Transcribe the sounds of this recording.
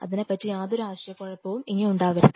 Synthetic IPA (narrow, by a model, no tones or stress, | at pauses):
ɐ̰ðinepɐtːijaːðo̞ɾuaːʋɐɕjɐkːoːɻɐpːoːumiŋːɐneuɳɖaːʋɐɾu